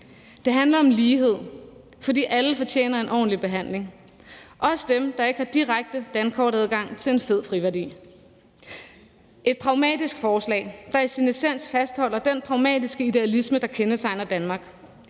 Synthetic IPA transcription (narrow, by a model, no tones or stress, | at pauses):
d̥e̝ɦænlɐɒ̽mliːɦe̝ð̞̰ˠ | fɒ̽d̥ḭːʔæləfɒ̽t͡ɕʰḛːnɐe̝nʔɒ̰ːn̩lib̥e̝ɦæn̰le̝ŋ | ʔɒ̽sə̥d̥emd̥ɑ̈e̝ɡ̥əhɑ̈d̥iʁaɡ̥̚d̥əd̥ænkʰɒ̰ːɾæð̞ˠɡ̥ɑ̈ŋ̰t͡sʰe̝lenfe̝ð̞̰ˠfʁiʋæɐdḭː | ʔe̝d̥̚pʰʁɑ̈ʊmɛ̰ːd̥isɡ̥fɒːslɛ̰ɪd̥ɑ̈æsinisen̰sfæsd̥hɒ̽l̰ɐd̥enpʰʁɑ̈ʊmɛ̰d̥isɡ̥əid̥e̝ælisməd̥ɑ̈kʰenət͡sʰɑ̈ɪnɐd̥ænmɑ̈ːɡ̥